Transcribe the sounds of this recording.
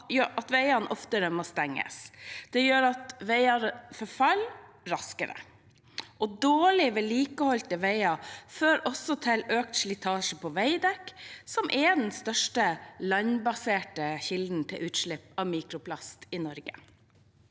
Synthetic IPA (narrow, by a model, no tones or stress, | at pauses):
jʔɑt̪ʋæɪɑnʔɔft̪əɾəmost̪ɛŋːə̰sd̪̥ɛjøːɾɑt̪ʋæɪɑɾfɔɾfɑl | ɾɑskəɾə̰ | ʔɔd̪oːɭɪʋeːliːkəhɔlt̪əʋæɪɑføːɾɔsɔt̪ʰɪløːk̪̚ʃlɪt̪ʰɑːʂəpʰɔʋæɪd̪ɛksɔmʔɛd̪ɛnst̪œʂʈəlɑɲbɑseːʈəçɪld̪n̩t̪ʰɪlʔʉːt̪ʂɭɪpːɑʋmiːkɾʊpʰlɑst̪ɪnɔɾɡə̰